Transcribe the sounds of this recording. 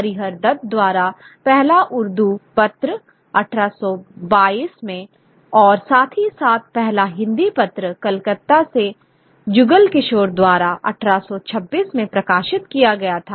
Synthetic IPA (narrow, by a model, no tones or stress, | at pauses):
ɐɾiɦəɾd̪ɐd̪̚d̪waːɾa | pɛɦlaʔʊɾd̪upɐt̪ɾə | ɐʈʰɾasɔbaːiːsmẽ | ɔːɾsaːt̪ʰisaːt̪̚ʰpɛɦlaɦɪ̃nd̪ipɐt̪ɾəkɐlkət̪ːase | d͡ʒʊɡəlkɪʃoːɾd̪waːɾaʔɐ̰ʈʰɾasɔt͡ʃʰɐbːiːsmẽpɾɐkaːʃɪt̪kijaɡɐjat̪ʰaː